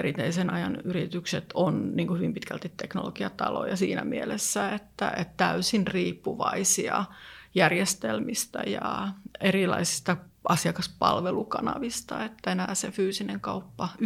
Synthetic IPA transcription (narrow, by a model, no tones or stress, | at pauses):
erit̪eisenɑjɑnyrit̪ykset̪onniːŋkuhyʋimpit̪kælt̪it̪ekno̰loɡiɑt̪ɑlo̰jɑsḭːnæ̰mielesːæet̪ːæ̰et̪t̪æysinriːpːuʋɑisiɑjærjest̪elmist̪ɑjɑerilɑ̰isi̥st̪ɑ | ʔɑsiɑkɑspɑlʋelukɑnɑ̰ʋist̪ɑet̪ːæenæːsefyːsineŋkɑupːɑ